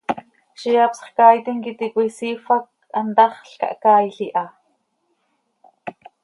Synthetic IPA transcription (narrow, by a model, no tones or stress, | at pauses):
ʃijapsχkaːjt̪iŋkit̪ikʷisiːfak̚ant̪ɑχɬka̰ʔkaːjɬiʔa